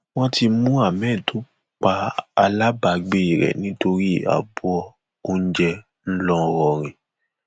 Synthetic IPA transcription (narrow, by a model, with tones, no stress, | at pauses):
w̃ɔ̃˦ti˧mũ˦a˦˨mɛ̃ː˦˨tʰo˨˦ | k͡pa˧a˧la˦ba˧ɡ͡be˦˨i˨ɾɛ̰˨nĩ˨˦to˧ɾi˦˨a̰˨bu˨˦ɔ˧ | o˦n̩˦d͡ʒɛ˧ | n̩˦lɔ˦˧ɾɔ˧ɾ̃ĩ˨